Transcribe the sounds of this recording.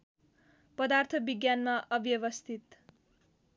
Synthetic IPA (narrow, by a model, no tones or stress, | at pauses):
pʌd̪art̪ʰʌbiɡjanmaʔʌbjʌβʌst̪ʰit̪